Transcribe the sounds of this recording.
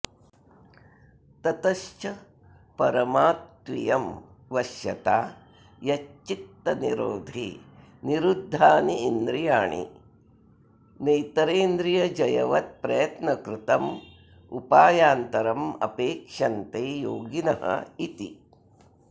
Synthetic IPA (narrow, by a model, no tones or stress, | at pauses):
t̪ɐt̪ɐʃt͡ʃɐ | pɐɾɐmaːt̪ʋḭjɐm | ʋɐʃjɐt̪aː | jɐt͡ʃːik̚t̪ːɐniɾoːd̪ʱḭ | niɾud̪ʱːaːniːnd̪ɾijaːɳḭ | nejt̪ɐɾeːnd̪ɾijɐd͡ʒɐjɐʋɐt̪̚pɾɐjɐt̪nɐkɾɪt̪ɐm | upaːjaːnt̪ɐɾɐmɐ̰peːkʂɐnt̪eːjoːɡinɐɦɐ̰it̪ḭ